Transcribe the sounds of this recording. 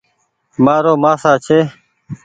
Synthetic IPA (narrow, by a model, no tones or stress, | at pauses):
maːɾoːmaːsaːt͡ʃʰeː